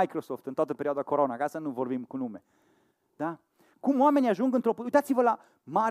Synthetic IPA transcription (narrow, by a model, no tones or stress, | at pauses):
ajkɾosoft̪ɨnt̪oat̪əpe̞ɾioad̪ako̞ɾo̞nakasanuvo̞rbimkunume̞ | d̪̥a | kumoame̞nʲiaʒuŋɡɨnt̪ɾopuujt̪at̪sivəla | maɾ